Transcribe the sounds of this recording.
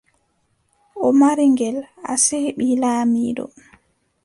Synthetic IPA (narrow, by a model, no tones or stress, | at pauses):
ʔɔmaɾiŋɡɛla̰sehɓilaːmiːdɔ̰